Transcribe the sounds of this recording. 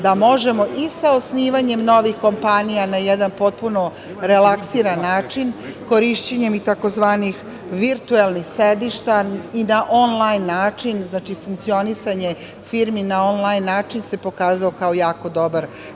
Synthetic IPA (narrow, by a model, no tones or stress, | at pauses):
d̪amo̞ʒe̞mo̞ʔisaosniːʋaɲe̞mno̞ʋixko̞mpanijanajɛd̪anpo̞t̪̚puno̞ | ɾelaksiːɾanːaːt͡ʃinko̞ɾiʃt͡ɕeɲe̞mit̪ako̞zʋaːnix | ʋiɾt̪uelˠnixsed̪iʃt̪ainaʔonlˠajnːaːt͡ʃinznaːt͡ʃifuŋkt̪sio̞nisaɲe | fiɾminao̞nlˠajnːaːt͡ʃinse̞po̞kaːzaokao̞jaːko̞d̪o̞baɾ